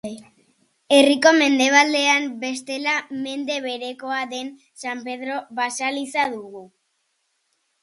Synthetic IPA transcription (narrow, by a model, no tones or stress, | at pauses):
e̞riko̞me̞nd̪e̞β̞ald̪e̞ambe̞st̪e̞lame̞nd̪e̞β̞e̞ɾe̞ko̞aðe̞n | sampe̞ð̞ɾo̞βasalisaðuɣu